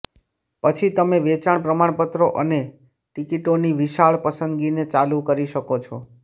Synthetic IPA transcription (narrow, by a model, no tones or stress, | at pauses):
pət͡ʃʰit̪əmeʋet͡ʃaɳpɾəmaɳ̃pət̪ɾoʔəne | ʈikiʈoniʋiʃaɭpəsənd̪ɡinet͡ʃalukəɾiʃəkot͡ʃʰɔ